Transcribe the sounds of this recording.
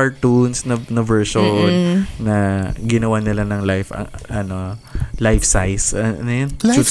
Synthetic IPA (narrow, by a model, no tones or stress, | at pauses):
ɐɹt̪unsnɐnɐvɛɹʃonnɐɡɪnɐwanɪlanɐŋlajfɐ̰ŋʔɐnolajfsajsɐʔɐ̰nʊjon